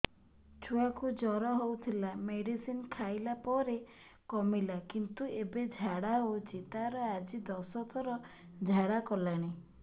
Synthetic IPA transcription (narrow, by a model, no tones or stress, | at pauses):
t͡ʃʰuakud͡ʒɔɾɔɦowt̪ʰilameɽisinkʰajlapɔɾe | kɔmilakint̪uebed͡ʒʱaɽaod͡ʒit̪aɾɔad͡ʒid̪ɔsɔt̪ʰɔɾɔ | d͡ʒʱaɽakɔlaɽ̃i